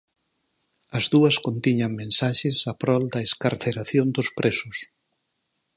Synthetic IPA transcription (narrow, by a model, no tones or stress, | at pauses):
ɐzðuɐskont̪iɲɐŋmẽnsaʃesapɾɔld̪ɐeskaɾθeɾaθjond̪ʊspɾʔesʊs